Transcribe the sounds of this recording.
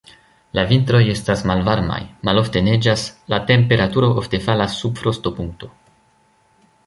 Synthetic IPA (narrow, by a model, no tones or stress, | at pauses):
lavint̪ɾo̞je̞stasmalvaɾma̰jmalo̞fte̞ne̞d͡ʒaslate̞mpe̞ɾatuɾo̞ʔofte̞falasːubfɾo̞sto̞puŋk̚to̞